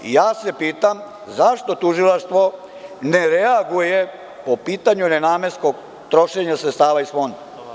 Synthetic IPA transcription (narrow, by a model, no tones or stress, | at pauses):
jaːse̞piːt̪am | zaʃt̪o̞t̪uʒilˠaʃt̪ʋo̞ | neɾeaɡuje | po̞piːt̪aɲunenaːmeskoɡ | t̪ɾo̞ʃeɲasɾet̪st̪aːʋaisfo̞nd̪a